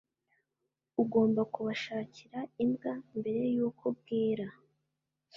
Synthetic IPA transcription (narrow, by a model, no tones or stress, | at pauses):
uɡo̞ːmbakuβaʃaːciɾaimɡambe̞ɾe̞jukʰub̚ɡiːɾa